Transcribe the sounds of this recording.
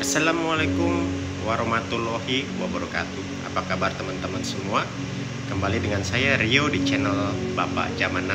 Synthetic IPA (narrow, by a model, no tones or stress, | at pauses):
ʔasalamualakum | waɾɔmat̪ulɔɦiwabəɾɔka̰t̪u | ʔa̰pakabart̪əmant̪əmansəmua | kəmbalidəŋansajaɾiodit͡ʃɛnəlbapa̰ʔd͡ʒamana